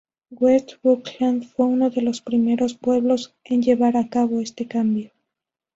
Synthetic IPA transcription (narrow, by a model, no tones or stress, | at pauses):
ɡwest̪βuklanfwe̞uno̞ðe̞lo̞spɾime̞ɾo̞spwe̞β̞lo̞se̞nʎe̞βaɾakaβo̞e̞st̪e̞kambjo̞